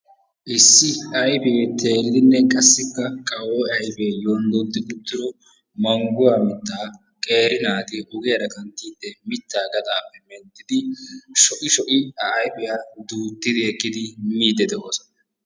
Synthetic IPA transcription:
ʔɪsːɪɐjfet̪ʰe̞ːɾɪd̪ɪnːɛkʼɐsːɪkːɐkʼɐwɔɐjfeːjoːnd̪ɔnt̪ːɪɡʊt̪ːɪɾɔ | mɐŋɡʊwaːmɪt̪ːaː | kʼe̞ːɾɪnaːt̪ɪʔʊɡɛjɐɾɐkɐnt̪ːiːd̪ːɛmɪt̪ːaːɡɐt̪ʼaːpːɛmɛnt̪ːɪd̪ɪʃɔʔʼɪʃɔʔʼɪɐːjpɪjaːd̪uːt̪ːɪd̪ɪɛkːɪd̪ɪmiːd̪ɛd̪ɛʔoːsɔ̥nɐ

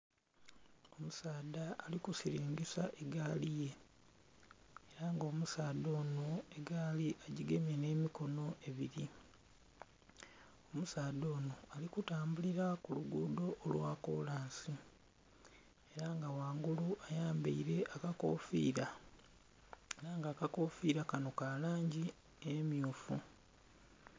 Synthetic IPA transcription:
o̞musaːdaːlikusiɾiːŋɡisaʔeɡaːlije̞ | ɾaŋɡo̞ːmusaːd̪o̞ːnoeɡaːliʔaɟiɡe̞mje̞ne̞ːmiko̞no̞e̞βiɾi | o̞musaːd̪o̞ːno̞alikutaːmbuliɾakuluɡuːdo̞ʔːlwaːko̞̰laːnsi | e̞ɾaŋɡawaːŋɡuluʔajaːmbḛiɾe̞ʔakako̰ːfḭːɾa | eɾaŋɡaːkako̞fiːɾakano̞kalaːɲɟi | emjuːfu

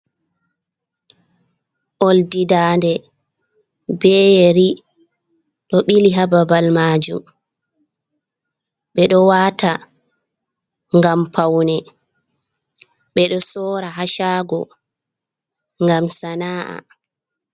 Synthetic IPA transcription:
ʔoldidaːndɛ | bɛːjeɾi | ɗɔɓiliɦababalmaːd͡ʒṵm | ɓɛɗɔwaːta | ŋɡampʰawnɛ | ɓɛɗɔsɔːɾaɦaʃaːɡɔ̰ | ŋɡamsanaːʔa̰

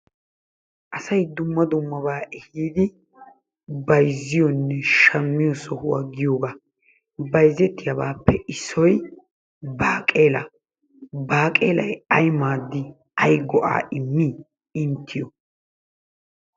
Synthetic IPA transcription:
ʔɐsɐjd̪ʊmːɐd̪ʊmːɐbaːʔɛhiːd̪ɪ | bɐjzːɪjɔnːɛʃɐmːɪjɔsɔhʊwa̰ːɡɪjoːɡa | bɐjzːɛt̪ːɪjɐbaːpːɛɪsːɔj | baːkʼe̞ːlɐ̰ | baːkʼeːlɐjɐjmaːd̪ːɪ | ɐjɡɔʔa̰ːʔɪmːi | ɪnt̪ʰːɪjɔ

